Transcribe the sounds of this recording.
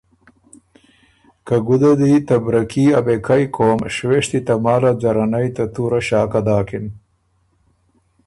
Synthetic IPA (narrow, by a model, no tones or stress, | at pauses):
kɐɡud̪ɐd̪it̪ɐbɾɐkiːɐbekʰɐjkʰoːmʃweʂt̪it̪ɐmaːlad͡ʑɐɾɐnɐjt̪ɐt̪uɾaɕaːkɐd̪aːkin